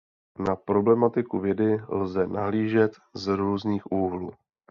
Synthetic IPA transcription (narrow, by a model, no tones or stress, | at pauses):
napɾo̞blɛmat̪ɪkuvjɛdɪlzɛnaɦliːʒɛt̪ | zɾuːzniːxʔuːɦluː